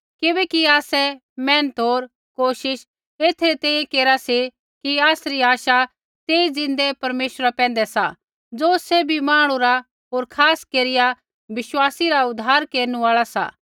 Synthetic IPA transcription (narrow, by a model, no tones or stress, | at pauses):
kɪbɛːkiaːsɛ | mɛ̃ːnət̪ɦoːɾ | koːʃɪʃ | eːt̪ʰɾit̪ɛ̃ːjẽkeːɾasi | kiaːsɾiaːʃa | t̪eːid͡zɪ̃nd̪epɐɾmeːʃɾapɛ̃ːnd̪ɛsa | d͡zoːsɛbʱimãːɽ̃ũɾa | ɦoːɾkʰaːskeːɾɪja | ʋɪʃwaːsiɾaʊd̪ʱaːɾkeːɾnũaːɭasa̰ː